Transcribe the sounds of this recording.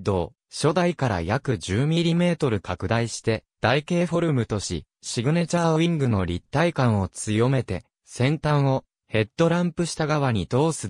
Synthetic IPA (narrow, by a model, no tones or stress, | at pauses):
d̪o̞ː | ɕo̞d̪aikaɾa̰jakɯ̟ʑɨːmʲiɾʲime̞ːt̪o̞ɾɯ̟kakɯ̟d̪aiɕi̥t̪e̞d̪̥aike̞ːɸo̞ɾɯ̟mɯ̟t̪o̞ɕḭ | ɕiɡɯ̟ne̞t͡ɕaːĩŋɡɯ̟no̞ɾʲit̪ːaikãɰ̃o̞t͡sɨjo̞me̞t̪e̞ | sẽ̞nt̪ãɰ̃o̞ | he̞t̪ːo̞ɾãmpɯ̟ɕi̥t̪aɡaβaɲ̟id̪o̞ːsɨ